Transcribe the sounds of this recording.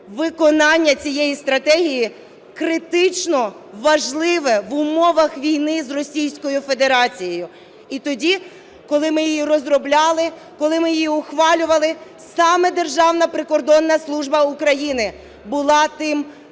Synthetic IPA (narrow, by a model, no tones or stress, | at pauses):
ʋɪkɔnɑnʲːɐt͡sʲijɛjist̪ɾɐt̪ɛɦʲiji | kɾɪt̪ɪt͡ʃnɔ | ʋɐʒlˠɪʋɛʋʊmɔʋɐxʋʲijnɪzrɔsʲijsʲkɔjʊfe̞d̪eɾɑt͡sʲijejʊ | it̪ɔdʲi | kɔlˠɪmɪjijirɔzrɔblʲɑlˠɪ | kɔlˠɪmɪjijiʊxʋɑlʲʊʋɐlˠɪ | sɑmɛd̪e̞rʒɑwnɐpɾɪkɔrd̪ɔnːɐslˠuʒbɐʊkɾɐjinɪ | bʊlˠɑt̪ɪm